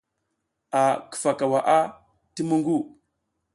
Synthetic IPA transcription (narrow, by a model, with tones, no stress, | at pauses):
a˨kə̥˨fa˨ka˨wa˨ʔa˦ | ti˦mu˦ŋɡu˦˨